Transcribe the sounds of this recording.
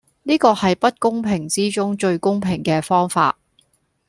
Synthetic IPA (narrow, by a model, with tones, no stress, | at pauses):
niː˥kɔː˧hɐ˨jpɐ˥t̚kʊ˥ŋpʰɪ˨˩ŋt͡siː˥t͡sʊ˥ŋt͡ʃɵ˧ɥkʊ˥ŋpʰɪ˨˩ŋkɛː˧fɔː˥ŋfa̰ː˧t̚